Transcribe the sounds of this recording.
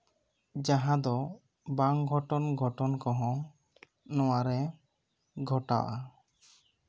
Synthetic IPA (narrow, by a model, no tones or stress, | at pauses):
d͡ʒaɦãd̪ɔ | baŋɡʱɔʈɔnɡʱɔʈɔnkɔɦɔ̃ | nɔwaɾɛ | ɡʱɔʈa̰wʔa